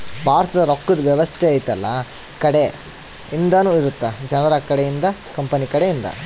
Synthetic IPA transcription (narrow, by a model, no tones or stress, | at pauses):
bʱaːɾɐt̪ɐd̪ɐɾokːud̪ɐʋjɐʋɐst̪ʰeɐːjut̪ɐlːɐ | kɐɽe | ind̪ɐnuːiɾut̪ːɐd͡ʒɐnɐɾɐkɐɽejind̪ɐkɐmpɐnikɐɽejind̪ɐ̰